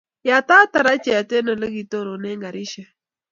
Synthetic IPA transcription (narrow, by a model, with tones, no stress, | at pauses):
ja˨ta˦ta˨ɾa˦t͡ʃɛ˨a˨tɛ˦nɔ˨le˦ɡi˨to˦ɾo˨nɛ˦ŋɡa˨ɾi˦ʃɛ˨